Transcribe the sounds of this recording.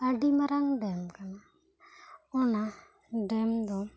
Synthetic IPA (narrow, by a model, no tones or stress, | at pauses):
aɖimaɾaŋɖɛmkana | ɔna | ɖɛmd̪ɔ